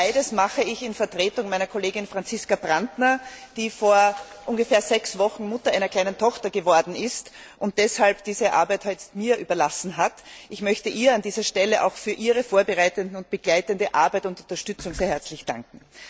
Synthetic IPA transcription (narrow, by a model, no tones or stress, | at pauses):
aɪdəsmaχəɪçɪnfɛɐtʁ̥eːtʊŋmæɪnɐkʰoleːɡɪnfʁant͡sɪskabʁandnɐd̥iːfoːɐ | ʔʊnɡəfɛːɐzɛksvɔxn̩mʊtɐʔæɪnɐkʰl̥aɪnəntʰɔxtɐɡəvɔɐdn̩ɪst | ʔʊnt̚d̥ɛshalpd̥iːzəʔa̰ɐbæɪthœʏtstmiːɐʔyːbɐlasn̩ɦatʔɪçmœçtəʔiːɐandiːzɐʃtɛləʔa̰ʊxfyːɐʔiːʁəfoːɐbəʁaɪtəndn̩ʊnt̚b̥əɡ̥laɪtəndəʔaɐbæɪtʊntʊ̃ntɐʃtʏt͡sʊŋseːɐhɛɐt͡slɪçd̥ã̰ŋkŋ̩